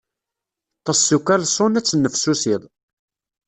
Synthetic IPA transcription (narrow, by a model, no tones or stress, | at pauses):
t̪ˤːɑsːukːælsˤonæt͡sːənːəfsusiðˤ